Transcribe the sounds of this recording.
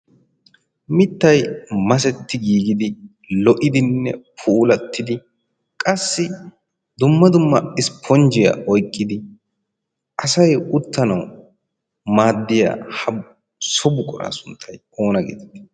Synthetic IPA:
mɪt̪ːɐjmɐs̬ɛt̪ːɪɡiːɡɪd̪ɪ | lɔʔɪd̪ɪnːɛpʰuːlɐt̪ʰːɪd̪ɪ | kʼɐsːɪ | d̪ʊmːɐd̪ʊmːɐɪspʰɔnd͡ʒɪja̰ʔɔjkʼːɪd̪ɪ | ʔɐsɐjʊt̪ːɐnɐw | maːd̪ːɪja̰ːhɐ | sɔbʊkʼɔɾa̰ːsʊnt̪ʰːɐj | o̞ːnɐɡḛːd̪t̪ː

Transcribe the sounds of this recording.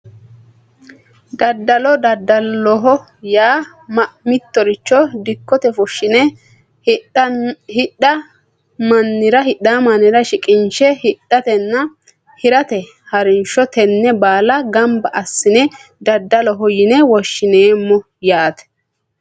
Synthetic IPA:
d̪ɐd̪ːɐlɔd̪ɐd̪ːɐlːɔɦɔ | jaː | mɐmɪt̪ːɔɾɪt͡ʃːɔd̪ɪkːɔt̪ɛfʊʃːɪnɛ | hɪɐ | mɐnːɪɾɐɦɪɗːamɐnːɪɾɐʃɪkʼɪnʃɛhɪɗːɐt̪ɛnːɐ | hɪɾɐt̪ɛ | hɐɾɪnʃɔt̪ɛnːɛbaːlɐɡɐmbɐʔɐsːɪnɛd̪ɐd̪ːɐlɔɦɔjɪnɛwɔʃːɪneːmːɔ | jaːt̪ɛ̥

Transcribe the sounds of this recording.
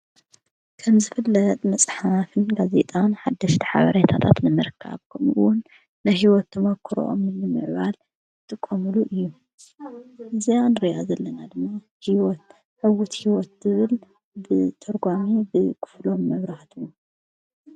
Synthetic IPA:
kʰɐmzɨfɨlːɐt̪ʼmɐsʼħafɨnɡaze̞̰t̪ʼanħad̪ːɐʃt̪ʰi̥ħa̰βɐ̰ɾet̪ʰat̪ʰat̪nɨmɨɾkʰːa̰βkʰɐmɨ̰wʊnː | ɐjɦiwɔt̪ʰːɨmɐkʰːɨɾo̰ʔo̰mɨnɨmɨ̰ʕβal | t̪ʰʼɨkʼːɐmɨluʔɨjːu | ʔɨzijanɨɾija̰zɐlːɐnad̪ɨmːa | hiwɔt̪̚ | ʕɨwut̪hiwɔt̪zɨβɨl | bɨt̪ʰɐɾɡʷamibɨkʰɨ̥flo̞mːɐβɾaht̪ʰuu

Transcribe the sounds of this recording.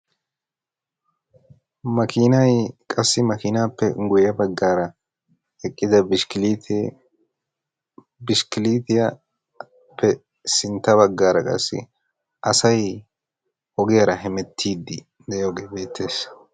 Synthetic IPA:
mɐkʰɪnɐjkʼɐsːɪmɐkɪnaːpːɛɡʊjɐbɐɡːaːɾɐ | hɛkʼːɪd̪ɐb̪ | bɪʃkɪliːt̪ɪjɐ | pʰːɛ | sɪnt̪ːɐβɐɡːaːɾɐkʼɐ̰sːɪ̰ | ʔɐsɐj | ɔɡɪjɐɾɐɦɛmɛt̪ʰːiːd̪ːɪ̰ | d̪ɛjoːɡeːbe̞ːt̪ʰːe̞ːs

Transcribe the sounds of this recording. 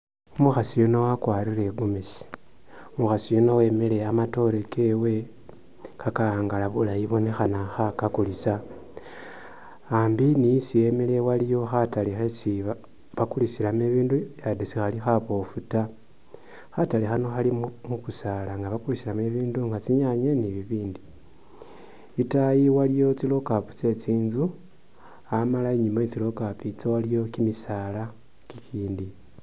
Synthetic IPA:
umuxasijuno̞wakwaːɾiɾe̞ɡumisi̥ | omuxasijuno̞we̞mele̞amato̞ɾekewe̞ | kakaaːŋɡalaβulajiβo̞ne̞xanaxakakulisa | aːmbinijisije̞mele̞walijo̞xatalixesi | βakulisilameβiːndujadesixalixaβo̞futa | xatalixanoxalimukusalaŋɡaβakulisilame̞βiːnduŋɡat͡siɲaɲeniβiβiːndi | itajiwalijo̞t͡silo̞kapu̥t͡se̞t͡siːnzu | amalaeɲimaet͡silo̞kapit͡sowalijo̞kimisaːla | kikʰiːndi

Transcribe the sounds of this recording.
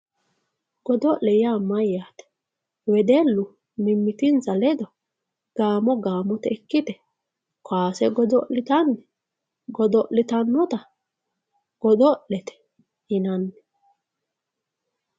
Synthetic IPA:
ɡ̥ɔd̪ɔʔlɛjaːmɐjːaːt̪ɛ̥ | wɛd̪elːʊ | mɪmːɪt̪ɪnzɐlɛd̪ɔ | ɡ̥aːmɔɡaːmɔt̪ɛɛkːɪt̪ɛ | kaːsɛɡɔd̪ɔʔlɪt̪ɐnːɛ | ɡɔd̪ɔʔlɪt̪ɐnːɔt̪ɐ | ɡ̥ɔd̪ɔʔlɛt̪ɛ̥ | ɪnɐnːɛ̥

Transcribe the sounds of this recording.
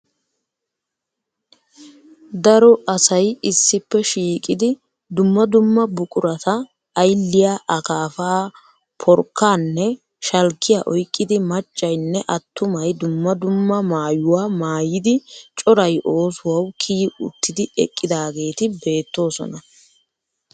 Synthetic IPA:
d̪ɐɾɔɐsɐjɪsːɪpːɛʃiːkʼɪd̪ɪ | d̪ʊmːɐd̪ʊmːɐbʊkʼʊɾɐt̪ɐː | jlːɪjaʔɐkaːfaː | pʰɔɾkːaːnːɛ | ʃɐlkːɪjaʔɔjkʼːɪd̪ɪmɐt͡ʃʼːɐjnːɛʔɐt̪ːʊmɐjd̪ʊmːɐd̪ʊmːɐmaːjʊwaːmaːjɪd̪ɪt͡ʃʼɔɾɐjʔo̞ːsʊwɐwkʰiːʊ̰t̪ʰːɪd̪ɪɛ̰kʼːɪd̪aːɡe̞ːt̪ɪbe̞ːt̪ːo̞ːsɔ̰nɐ

